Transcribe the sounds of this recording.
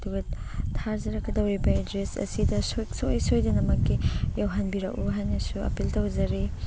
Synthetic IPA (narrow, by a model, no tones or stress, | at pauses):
duɡɐtʰaɾzɐɾɐkɐdɐwɾibɐedɾesɐ̰sidɐssojsojdɐnɐmɐkːijawɦanbiɾɐkuɦajnɐsuɐ̰piltɐwzɐɾi